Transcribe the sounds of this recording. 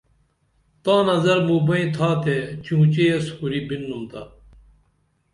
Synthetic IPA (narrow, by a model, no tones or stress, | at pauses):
t̪ãːnɐzɐɾmuːbɐĩːt̪ʰaːt̪eːt͡ɕũːt͡ɕeeshuɾibinːunt̪aː